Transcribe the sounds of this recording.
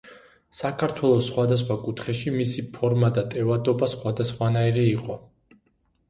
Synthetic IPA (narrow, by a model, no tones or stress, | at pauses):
sakʰaɾt̪ʰwɛlˠɔsχwad̪as̬χwakʼut̪ʰχɛʃimisipʰɔɾmad̪at̪ʼɛvad̪ɔbasχwad̪asχwanaiɾɛiqʼɔ